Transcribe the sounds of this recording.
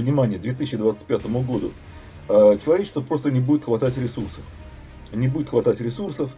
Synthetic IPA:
vnʲɪmanʲɪjəd̪vʲet̪ɨs̬ʲɪɕɪd̪vat̪sɨ̥pʲat̪əmʊɡo̞d̪ʊ̰ | ət͡ɕɪlˠɐvʲet͡ɕɪst̪vəpɾo̞st̪ənʲɪbudʲɪt̪xvɐt̪atʲɾʲɪsursəf | nʲɪbudʲɪt̪xvɐt̪atʲɾʲɪsursəf

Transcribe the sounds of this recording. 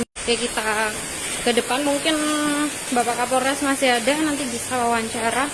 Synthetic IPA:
jakit̪a | kədəpanmuŋkɪn | bapakapoɾɛsmasiadanant̪ibisawawaɲt͡ʃaɾa

